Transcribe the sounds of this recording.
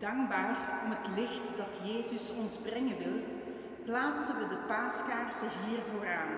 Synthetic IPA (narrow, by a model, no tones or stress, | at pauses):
d̥ɑŋɡbaːrɔmɦətlɪxtdɑtjeːzəsɔnzbrɪŋənʋɪlˠ | plaːtsəʋədəpaːskaːrsəɦiːrvoːɾaːn